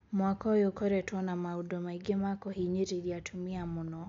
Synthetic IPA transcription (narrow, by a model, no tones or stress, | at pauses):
mwakɔjɔkɔɾɛtwɔnamaudɔmaiɡɛmakɔhiɲiɾiɾiatʰumiamunɔ